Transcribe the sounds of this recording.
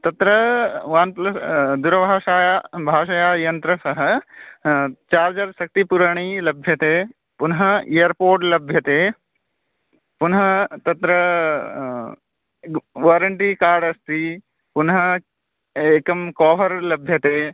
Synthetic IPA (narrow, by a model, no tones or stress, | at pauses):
t̪ɐt̪ɾɐʋaːnplɐd̪uɾɐbʱaːʃaːjabʱaːʃɐjaːjɐnt̪ɾɐsɐɦɐ̆ | t͡ʃaːɾd͡ʒɐɾsɐk̚t̪ipuɾaɽ̃ilɐbʱjɐt̪eː | pʊnɦɐejɐɾpoːɾʈlɐbʱjɐt̪eː | pʊnɦɐt̪ɐt̪ɾɐ | ʋaːɾɐɳʈikaːɾɖɐst̪i | pʊnɦɐ | eːkɐmkɔːʋɐɾlɐbʱjɐt̪eː